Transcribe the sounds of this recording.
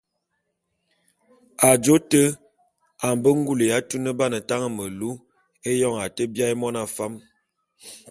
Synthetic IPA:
a˨d͡ʒo˦tə˦ | a˨m˨bə˦ŋ˦ɡu˦lə˨ja˦tu˦nə˦ba˦nə˨ta˦ŋə˦mə˨lu˦ | e˦jɔ˦ŋa˨tə˦bja˦e˦mɔ˦na˦fa˦m

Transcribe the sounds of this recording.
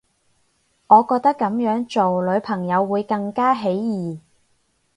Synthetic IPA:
ŋɔː˨˧kɔː˧k̚t̪ɐ˥kːɐ˨˥mjœː˨˥ŋt͡ʃo˨wlɵ˨˧ɥpʰɐ˨˩ŋjɐ˨˧wːuː˨˧jkɐ˧ŋkaː˥ɦe˨˥jjiː˨

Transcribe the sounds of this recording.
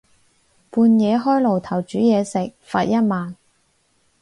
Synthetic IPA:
puː˧njɛː˨˧ɦɔː˥jlo˨˩wt̪ʰɐ˨˩wt͡ʃyː˨˥jɛː˨˧sɪ˨k̚faː˧t̚jɐ˥t̚maː˨n

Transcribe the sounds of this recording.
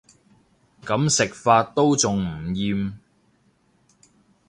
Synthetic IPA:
kɐ˨˥msɪ˨k̚faː˧t̚t̪o˥wt͡sʊ˨ŋm̩˨˩jiː˧m

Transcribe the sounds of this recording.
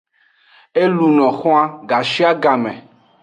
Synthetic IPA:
e˦lu˨nɔ̃˨xɔ̃˦a˦ɡa˨ʃi˦a˦ɡa˨mɛ̃˨

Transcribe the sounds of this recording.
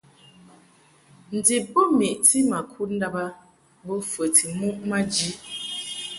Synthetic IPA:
n̩˨di˨bo˦mi˨ʔti˦ma˨kʰu˦n̩˦da˦ba˦ | bo˦fə˨tʰi˨mu˦ʔma˦d͡ʒi˦

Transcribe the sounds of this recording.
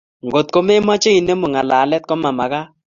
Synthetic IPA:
ŋɡo˨t̪̚ko˦me˦ma˦t͡ʃe˦i˨ne˦mo˨ŋa˨la˨lɛ˦t̪̚kɔ˦ma˨ma˨ka˦

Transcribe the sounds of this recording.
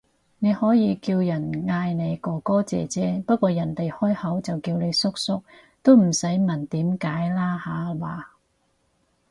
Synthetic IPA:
ne˨˧jhɔː˨˥jiː˨˧kiː˧wjɐ˨˩nŋaː˧jne˨˧jkɔː˨˧kɔː˥t͡sɛ̰ː˨t͡sɛː˧˥pɐ˥t̚kʷɔː˧jɐ˨˩nt̪e˨jhɔː˥jhɐ˨˥wt͡sɐ˨wkiː˧wne˨˧jsʊ˥k̚sʊ˥k̚ | t̪o˥wm̩˨˩sɐ˨˥jmɐ˨˩nt̪iː˨˥mkaː˨˥jlaː˥haː˨˥laː˨˧

